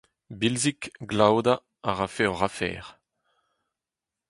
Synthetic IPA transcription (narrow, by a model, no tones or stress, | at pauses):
bilzikɡlawd̪a | aʁafɛʁafɛ̰ːʁ